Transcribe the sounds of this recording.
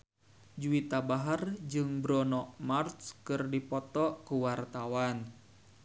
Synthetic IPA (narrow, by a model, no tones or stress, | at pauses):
d͡ʒuit̪abaɦard͡ʒɨŋbɾɔnɔmart̪skɨrdipɔt̪ɔkuwart̪awan